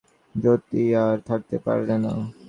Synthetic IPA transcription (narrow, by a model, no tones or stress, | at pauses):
d͡ʑot̪ːiaɾt̪ʰak̚t̪epa̰ɾlena̰